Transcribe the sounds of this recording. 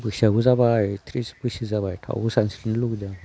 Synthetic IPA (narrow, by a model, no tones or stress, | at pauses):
bɯksaɡuzabajtʰɾisbɯsizaβajtʰa̰wɡusansiɾnɯluɡda